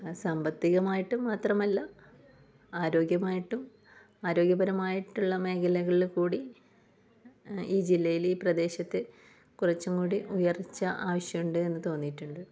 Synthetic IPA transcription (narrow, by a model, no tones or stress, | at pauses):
sɐmbɐt̪ːiɣɐmaːjiʈːumːaːt̪rɐmɐlːɐ | aːɾo̞ːɡjɐmaːjiʈːum | aːɾo̞ːɡjɐbɐɾɐmaːjiʈːuɭːɐme̞ːkʰɐlɐɣɐɭilkuːɽi | iːd͡ʑilːɐjiliːprɐd̪e̞ːɕɐt̪ːe | kurɐt͡ɕːumkuːɽiʔujɐrit͡ɕːɐʔaːʋɐɕjɐmuɳɖɨe̞nːɨt̪o̞ːnːiʈːuɳɖɨ